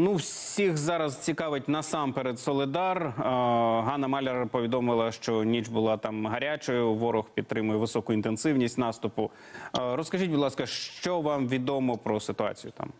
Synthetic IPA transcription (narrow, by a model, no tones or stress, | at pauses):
nuwsʲixzɑɾɐzt͡sʲikɑʋɪt̚ʲnɐsɑmpeɾed̪sɔlˠɪd̪ɑr | ɦɑnɐmɑlʲeɾɐpɔʋʲid̪ɔmɪlˠɐʃt͡ʃɔnʲit͡ʃbʊlˠɑt̪ɑmɦɐɾʲat͡ʃɔjʊʋɔɾʊxpʲid̪t̪ɾɪmʊjɛʋɪsɔkʊint̪ensɪwnʲisʲtʲnɑst̪ʊpʊ | ɾɔskɐʒitʲbʊd̪lˠɑskɐʃt͡ʃɔʋɑmʋʲid̪ɔmɔpɾɔsɪt̪ʊɑ̰t͡sʲijʊt̪ɑ̰m